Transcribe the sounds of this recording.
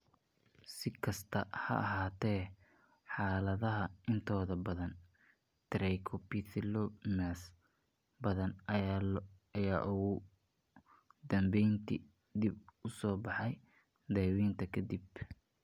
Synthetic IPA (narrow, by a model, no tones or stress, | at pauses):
sɪkʰɐst̪ʰɐhɐ̰ʔɐɦaːt̪ʰɛː | ħɑːlɐðɐɦɐɪnt̪ʰɔːðɐbɐðɐn | t̪ʰɪɾɛjkʰɔpit̪ʰɪlɔmɛs | bɐðɐn | ɐjaːʔʊɣʊ | d̪ɐmbɛjnt̪ʰḭ | d̪ibʊsɔːbɑħɑj | d̪ɛwiːnt̪ʰɐkʰɐd̪ib